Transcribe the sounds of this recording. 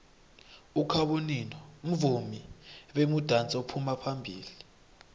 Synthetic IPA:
ukʰaɓoninɔm̩vumiɓemud̥ʱant͡sʼɛopʰumapʰambʱiːli

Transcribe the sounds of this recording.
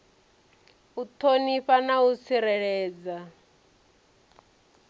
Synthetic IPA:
ut̪ʰoniɸanaut͡sʰiɾɛɺɛːd͡za

